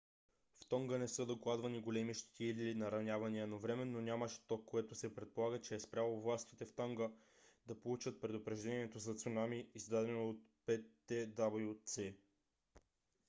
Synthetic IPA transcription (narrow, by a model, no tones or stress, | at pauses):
ft̪ɔŋɡənɛsɤd̪oklˠad̪vɐniɡolɛmiʃt̪t̪ilinɐɾɐnʲavɐniənovɾɛmɛnːonʲaməʃt̪ɔkːoɛt̪osɛpɾɛt̪̚polˠaɡət͡ʃɛːspɾʲjalˠovlˠast̪it̪ɛft̪ɔŋɡə | d̪ɐpolˠut͡ʃət̪̚pɾɛd̪opɾɛʒd̪ɛniɛt̪ozɐt̪sunamiːzd̪ad̪ɛnoːt̪̚pɛt̪ːɛd̪abjut̪sɛ